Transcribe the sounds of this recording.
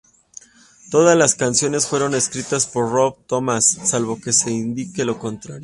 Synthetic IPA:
t̪o̞ðazlaskansjo̞ne̞sfwe̞ɾo̞ne̞skɾit̪aspo̞ɾro̞βt̪o̞masːalβo̞ke̞se̞ind̪ike̞lo̞ko̞nt̪ɾaɾjo

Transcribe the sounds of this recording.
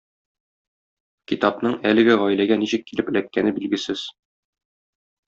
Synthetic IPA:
kit̪ɑpnɤɴælɘ̆ɡɘʁɒjlæɡæniɕɘkːilɘpɘ̆lækːænɘbilɡɘ̆sɘz̥

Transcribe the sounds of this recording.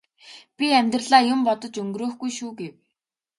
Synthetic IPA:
pʲiæmʲt̪rə̆ɮaːjʊmpɔt̪ɞ̆t͡ɕɵŋɡɾoːxɡujʃuːɡew

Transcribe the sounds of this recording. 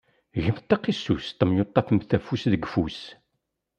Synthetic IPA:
ʝəmθt̪ːɑqisːṵst̪ˤːəmjot̪ˤːɑfəmθæfusðəɡfus

